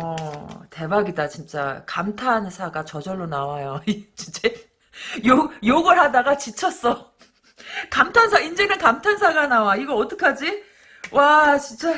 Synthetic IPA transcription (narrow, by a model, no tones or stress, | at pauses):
ʌte̞baɡidat͡ɕint͡ɕ͈a̰kamtʰansʰaɡat͡ɕʌd͡ʑʌɭːonawajot͡ɕint͡ɕe | jojoɡɯɭɦadaɡat͡ɕit͡ɕʰʌs͈ʌ | kamtʰansʰaind͡ʑenɯnkamtʰansʰaɡanawaiɡʌʌt͈ɯkʰad͡ʑi | wat͡ɕint͡ɕ͈a